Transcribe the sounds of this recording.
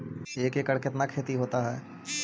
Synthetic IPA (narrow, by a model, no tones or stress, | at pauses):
eːkekəɽkɪt̪nakʰeːt̪iɦoːt̪aɦɛː